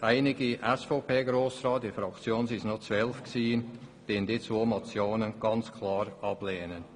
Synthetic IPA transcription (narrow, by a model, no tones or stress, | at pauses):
ʔaɪnɪɡiʔɛsfopʰeːɡɾoːsrɑːt̚difɾɑkt͡sjoːnsisnot͡svœlfksiːnd̥eːnd̥it͡svoːmot͡sjoːnənɡ̥ɑnt͡skʰlɑːɾʔɑbleːnən